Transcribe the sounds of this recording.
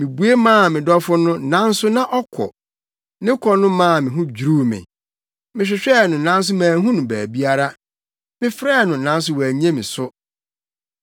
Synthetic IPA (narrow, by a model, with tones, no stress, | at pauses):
mĩ˨bu˨e˦mãː˦˨mɪ̃˨dɔ˦fʊ˦nʊ̃˦nã˦n˦sʊ˦nã˦ʔɔ˦kʰɔ̰˨ | nɪ̃˦kʰɔ˦nʊ̃˦mãː˦˨mɪ̃˨ɦʊ̃˦d͡ʑɾuː˦mɪ̰̃˨ | mɪ̃˨ɕ̬ᶣɪ˨ɕᶣɛ˦˨nʊ̃˨nã˦n˦s̬ʊ˦mãː˨ɦũ˦nʊ̃˨bæː˨bi˦a˦ɾa˦ | mɪ̃˦fɾɛː˦˨nʊ̃˨nã˦n˦s̬ʊ˦wæ˨ɲ˦ɛ̃˦mɪ̃˨sʊ˦